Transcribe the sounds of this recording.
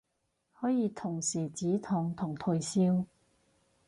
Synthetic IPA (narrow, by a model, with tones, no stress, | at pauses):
hɔː˨˥jiː˨˧t̪ʰʊ˨˩ŋsiː˨˩t͡siː˨˥t̪ʰʊ˨˩ŋt̪ʰʊ˨˩ŋt̪ʰɵ˨˧jsiː˥w